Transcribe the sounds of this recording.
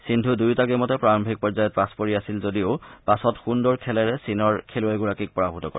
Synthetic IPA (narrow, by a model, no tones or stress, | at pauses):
sindʱudujtaɡɛmɔtɛpɹaɹɔmbʱik̚pɔɹzajɔt̚paspoɹiasilzodiopasɔtxundɔɹkʰɛlɛɹɛsinɔɹkʰelʊɛɡuɹakik̚pɔɹabʱutɔkɔ̰ɹ